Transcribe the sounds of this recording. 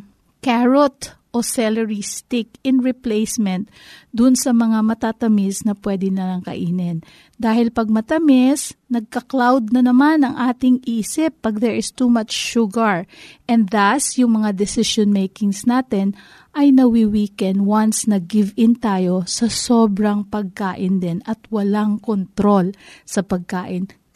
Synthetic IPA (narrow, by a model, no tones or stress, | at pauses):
kaɹot̪ʔosɛlɛɹist̪ɪkɪnɹɪplejsmɛnt̪̚ | d̪ʊnsɐmɐŋamɐt̪at̪ɐmɪsnɐpwɛd̪ɪnɐlaŋkɐ̰ʔiːnɪn | d̪aːhɪlpɐɡ̚mɐt̪ɐmɪsnɐɡ̚kɐklawd̪̚nɐnɐmanɐŋʔaːt̪ɪŋiːsɪpːɐɡ̚d̪ɛɹʔɪst̪umat͡ʃːʊɡɐɹʔɛnd̪dasjʊŋmɐŋad̪ɛsɪʃonmejkɪŋsnaːt̪ɛn | ʔɐjnɐwɪwiːkɛnwansnɐɡɪvɪnt̪aːjo̞sɐsobɾɐŋpɐɡ̚kaːʔɪnd̪ɛnɐt̪wɐlaŋkont̪ɾo̞lsɐpɐɡ̚kaːʔɪn